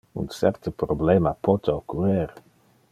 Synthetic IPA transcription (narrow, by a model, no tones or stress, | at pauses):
ṵnsɛ̰ɾt̪əpɾoblemapɔt̪eokːureɾ